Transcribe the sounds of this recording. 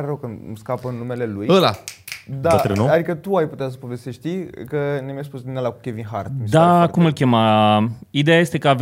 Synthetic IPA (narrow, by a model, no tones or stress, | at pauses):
ɾeɾəwkəmskapəɨnːume̞le̞lujəla̰d̪aɾenuad̪ikət̪uajput̪eas̬ə̥po̞vest̪eʃt̪ikənemjaspusd̪inelaku̥kʲevinɦaɾt̪makumɨlkʲema | id̪ejajest̪e̞kəav